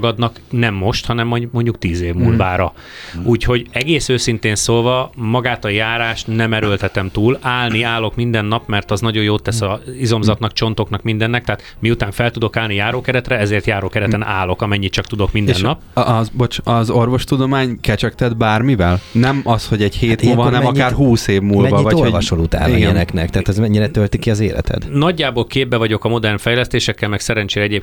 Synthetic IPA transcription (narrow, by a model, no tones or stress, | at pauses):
ɡɒd̪nɒknɛmːo̞ʃt̪hɒnɛmːomo̞ɲɟuk̚t̪iːzeːvmuːlvaːɾɒ | uːcho̞ɟɛɡeːsøːsint̪eːnsoːlvɒmɒɡaːt̪ɒjaːɾaːʃt̪nɛmɛɾølt̪ɛt̪ɛmt̪uːlaːlniaːlo̞kmind̪ɛnːɒpmɛrt̪ɒznɒɟo̞joːt̪ɛsɒizo̞mzɒt̪nɒkt͡ʃo̞nt̪o̞knɒkmind̪ɛnːɛk̚t̪ɛɦːt̪ | miut̪aːɱfɛlt̪ud̪o̞kaːlnijaːɾoːkɛɾɛt̪rɛɛzeːrt̪jaːɾoːkɛɾɛt̪ɛnaːlo̞kɒmɛɲːit̪t͡ʃɒkt̪ud̪o̞kmindɛnnːɒpbot͡ʃɒzo̞rvo̞ʃt̪ud̪o̞maːɲkɛt͡ʃɛkt̪ɛd̪̚baːrmivɛlnɛmɒsho̞ɟɛɟheːt̪muvɒɒnɛmmɒaːɾɦuːseːvmuːlvɒvɒlovɒʃolut̪a̰ːniɡɛɛnɛknɛkt̪ɛːt̪ɛzmɛɲːiɾɛt̪ølt̪ikiɒzeːlɛ̰t̪ʰɛ̰d̪nɒɟːaːboːlkeːb̚bɛvɒɟo̞kɒmo̞d̪ɛrnfɛjlɛst̪eːʃɛkːɛlmɛksɛɾɛnt͡ʃeːɾɛɛɟeːp